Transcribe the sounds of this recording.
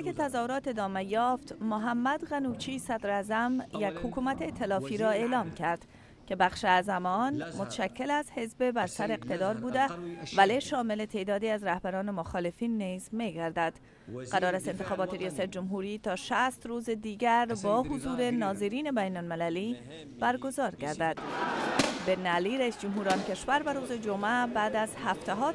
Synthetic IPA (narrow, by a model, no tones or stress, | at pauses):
eket̪ʰæzɒːhoɾɒːt̪e̞d̪ɒːmejɒːft̪moɦæmːæd̪ɣænuːt͡ʃʰiːsæd̪ɾæzæmjekhukʰuːmæt̪ʰeːt̪ʰːelɒːfiːɾɒːe̞ːlɒːmkʰæɾd̪̥ | kʰe̞bæxʃeæzæmɒːnmot̪ʃækːelæzhe̞zbebæɾsæɾeqt̪e̞d̪ɒːɾbuːd̪evæleʃɒːmelet̪ʰe̞ːd̪ɒːd̪iːæzɾæhbæɾɒːnemoxɒːlefiːnːizmeɡæɾd̪æd̪̥ | ɡæɾɒːɾæst̪ent̪exɒːbɒːt̪eɾijɒːsæt̪̚d͡ʒʊmɦuːɾiːt̪ʰɒːʃæst̪ɾuːzed̪iːɡæɾbɒːɦuzuːɾenɒːzeɾiːne̞bæjnolmelæliː | b̥æɾɡo̞zɒːɾɡæɾd̪æd̪̥ | benæliːɾæiːsd͡ʒʊmɦuːɾɒnke̞ʃvæɾvæɾuːzed͡ʒomæbæːd̪æzhæft̪æɦɒː